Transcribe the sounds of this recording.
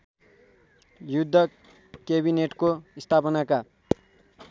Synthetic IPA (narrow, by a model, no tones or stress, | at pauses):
jud̪ʱːʌ | keβineʈkoist̪ʰapʌnaka